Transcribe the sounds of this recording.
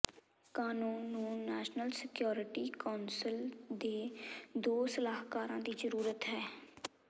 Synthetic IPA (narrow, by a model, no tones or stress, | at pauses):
kaːnuːnːũːɛːʃnəlsɪkjoːɾɪʈiːkaːnsəld̪eːd̪oːsəlaːɦkaːɾãːd̪iːzəɾuːɾət̪ɦɛː